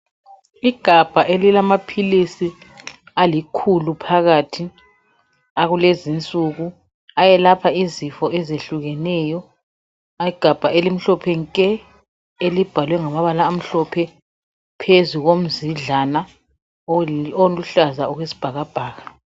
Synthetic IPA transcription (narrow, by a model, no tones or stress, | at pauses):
iɡ̥ʱab̥ʱaʔelilamapʰilisi | alikʰulupʰaɣatʰi | aɣulezint͡sʼuɣu | ajɛlapʰaizifɔʔɛzeɬuɣɛnɛːjɔ | iɡ̥ʱab̥ʱaelim̩ɬɔpʰɛŋkʼɛ | elib̥ʱalwɛŋamaβalaːm̩ɬɔpʰɛ | pʰezuɣom̩ziɮana | oluɬazauɣwesi̥b̥ʱaɣab̥ʱaːɣa